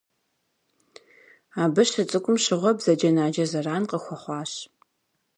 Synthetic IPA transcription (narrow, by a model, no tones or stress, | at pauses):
aːbɨɕɨt͡sʼɨkʷʼʊmɕɪʁʷɔbz̥ɐd͡ʒɐnaːd͡ʒɐzɐraːnqəxʷɔχʷɑːɕ